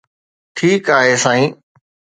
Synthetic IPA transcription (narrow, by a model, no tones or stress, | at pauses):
ʈʰiːkaːɦeːsãːĩː